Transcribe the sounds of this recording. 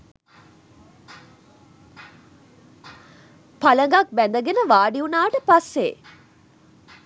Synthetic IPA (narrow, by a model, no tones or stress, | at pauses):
paləŋɡak̚bænd̪əɡenəʋaːɖiunaːʈəpasːḛː